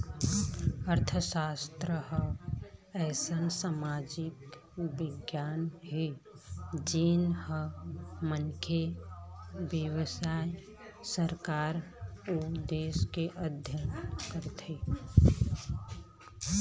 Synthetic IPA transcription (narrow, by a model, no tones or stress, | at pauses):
əɾt̪ʰəsast̪ɾəɦə | ɛːsənsamad͡ʒɪkbɪɡjaːnɦe | d͡ʒinhəmənkʰe | bjəwəsaj | səɾkaɾud̪eːskeʔəd̪ʱjənkəɾt̪ʰe